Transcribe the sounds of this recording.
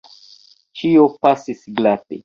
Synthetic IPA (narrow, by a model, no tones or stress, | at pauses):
t͡ʃiopasisɡlate